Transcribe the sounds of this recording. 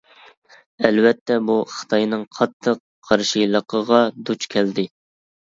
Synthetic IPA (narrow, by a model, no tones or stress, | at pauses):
ɛlvɛt̪ʰːɛbuχɨ̥t̪ʰɑjnɨŋqʰɑt̪ʰːəqʰːɑɾʃilˠəqʰəʁɑd̪ut͡ʃkʲʰɛld̪ɪ